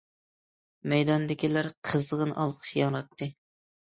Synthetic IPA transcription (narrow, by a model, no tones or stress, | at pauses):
mɛjd̪ɑnd̪ɪkʲilæɾqʰəzʁənʔɑ̰lˠqʰə̥ʃjɑŋɾɑt̪ʰːɨ